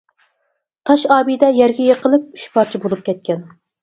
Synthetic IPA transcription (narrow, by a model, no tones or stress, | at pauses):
t̪ʰɑʃɑːbid̪ɛjɛɾɡʲɛjeqəlˠɨp̚y̥ʃpʰɑɾt͡ʃʰibolˠup̚kʲɛt̪̚kʲɛn